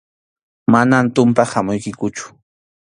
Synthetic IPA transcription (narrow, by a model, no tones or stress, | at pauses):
manant̪ʊmpahamʊjkɪkʊt͡ʃʊ̥